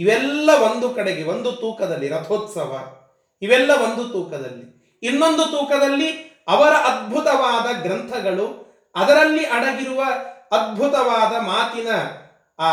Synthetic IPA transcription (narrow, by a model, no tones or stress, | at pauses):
iʋɛlːɐʋo̞nd̪ukɐɽeɡeʋo̞nd̪ut̪uːkɐd̪ɐlːiɾɐt̪ʰoːt̪sɐʋɐ̰ | iʋɛlːɐʋo̞nd̪ut̪uːkɐd̪ɐ̰lːi | inːo̞nd̪ut̪uːkɐd̪ɐlːiɐʋɐɾɐʔɐd̪̚bʱut̪ɐʋaːd̪ɐɡɾɐnt̪ʰɐɡɐɭu | ɐd̪ɐɾɐlːiʔɐɽɐɡiɾuʋɐːd̪̚bʱut̪ɐʋaːd̪ɐmaːt̪inɐ